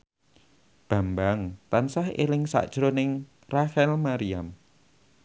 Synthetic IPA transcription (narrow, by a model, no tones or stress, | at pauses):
b̥a̤mbaŋt̪ansahḛlɪŋsa̰ʔd̥ʒ̥ɾonɪŋ | raxɛlmaɾiam